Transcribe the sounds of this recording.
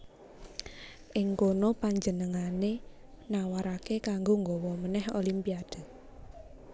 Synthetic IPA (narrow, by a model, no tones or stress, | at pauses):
ʔɪŋkonopaɲd͡ʒənəŋane | nawaɾakekaŋɡoŋɡɔwɔmənɛho̰limpiad̥ə̤